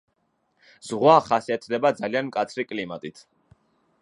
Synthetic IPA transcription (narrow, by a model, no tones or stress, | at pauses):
z̥ʁwaχasiɛt̪ʰd̪ɛbad̪zalianmkʼat̪sʰɾikʼlimat̪ʼit̪ʰ